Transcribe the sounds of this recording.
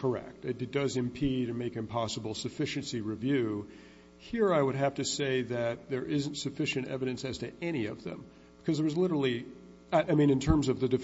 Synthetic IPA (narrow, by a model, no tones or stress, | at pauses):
kʰə˞ɛ̰k̚tɨt̚d̥ʌzɨ̃mpʰidɾɨmeɪkɨ̃mpʰɑsəbl̩ˠsɨfɪʃɨ̃nsiɹivjʉ | hiɹaɪwəd̚ɦæftɨseɪðɨt̪̚ðə˞ʔɪz̃n̩tsɨfɪʃɨ̃ntɛ̰vɨɾɨ̃nsɨz̥tʰɨɛɾ̃iʌ̰vðɨ̰̃m | b̥ɨkʰʌzðə˞wʌzlɪɾə˞l̩ˠi | aʔaɪmĩnɨ̃ntʰɜ̃˞mzʌvðɨdɨf